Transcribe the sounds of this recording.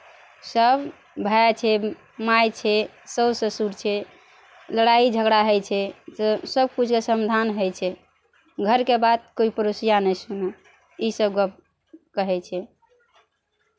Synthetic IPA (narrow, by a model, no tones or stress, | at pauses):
səb | bʱaat͡ʃʰɛ | majt͡ʃʰɛ | səwsə̃suɾt͡ʃʰɛ | ləɽaid͡ʒʱəɡɽaɦəjt͡ʃʰɛt̪səb̚kud͡ʒʱkesəmd̪ʱanɦəjt͡ʃʰɛ | ɡʱəɾkebad̪̚koipəɾosijanɛjsunɛ | isəbɡ | kəɦɛt͡ʃʰɛ